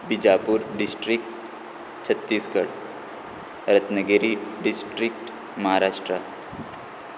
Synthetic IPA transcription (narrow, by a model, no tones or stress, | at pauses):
bɪd͡ʒaːpuɾɖɪsʈɾɪk̚ʈ | t͡ʃʰət̪ːiːskəɽ | ɾət̪nəɡeɾiɖɪsʈɾɪk̚ʈ | mɐɦaːɾaːʃʈɾa